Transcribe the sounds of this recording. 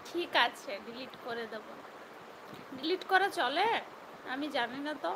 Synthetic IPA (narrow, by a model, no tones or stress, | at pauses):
ʈʰikat͡ɕʰeɖiliʈkoɾed̪ebona | ɖiliʈkɔɾat͡ɕɔle | amid͡ʑaninat̪o